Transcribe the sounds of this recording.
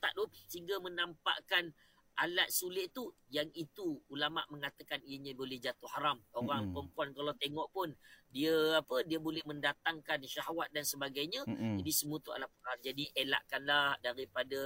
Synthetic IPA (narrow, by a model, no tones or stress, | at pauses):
t̪a̰ʔdusəiŋɡamənampa̰ʔkan | ʔala̰t̪̚sulɪʔt̪ujaŋit̪uːlama̰ʔmə̃ŋat̪akaniəɲabolɛhd͡ʒat̪uhaɾamoɣaŋkəmpuankalat̪eŋɔʔpʊndiəapədiəbolɛhmə̃ndat̪aŋkanʃaɦwat̪̚dansəbaɡajɲãd͡ʒadisəmũət̪ua̰laʔ̚pəɾand͡ʒadiʔela̰ʔkanlahdaɾipada